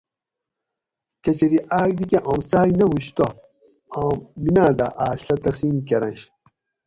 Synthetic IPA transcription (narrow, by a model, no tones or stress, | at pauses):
kɐt͡ɕɐɾiʔaːɡd̪ikʲeʔõmsaːjnɐwuɕt̪o | ãːmbinãːd̪aʔaːɕɐt̪ɐksimkeɾɐ̃nɕ